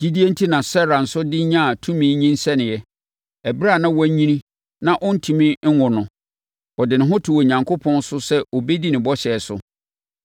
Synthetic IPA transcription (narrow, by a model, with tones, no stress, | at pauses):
d͡ʑi˦di˦e˦n̩˦tʰi˦nã˨sɛ˦ɾa˨n̩˨sʊ˦dɪ˦ɲã˦a˨tʰũ˦mĩː˨˦ɲĩ˦n˦sɛ˦nɪ̃˨jɛ˦ | ɛ˨bɪ˦ɾa˦˨nã˦wɔ˦ɲĩ˦nĩ˦ | nã˨ʔɔ˦n̩˦tʰi˨mĩ˦ŋ̩˦ŋʊ̃˨nʊ̃˨ | ɔ˨dɪ˨nɪ̃˨ɦʊ̃˦tʰu˨wɔ˨ɲã˨ŋkʰo˦pʰɔ̃˦n˦sʊ˦sɛ˦ɔ˨be˦di˦nɪ̃˨bɔ˦ɕɛ˨sʊ̰˨